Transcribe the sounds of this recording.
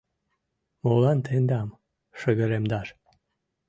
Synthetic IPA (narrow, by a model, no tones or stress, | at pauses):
molɑnt̪ʰend̪ɑm | ʃəɣəɾemd̪ɑɾ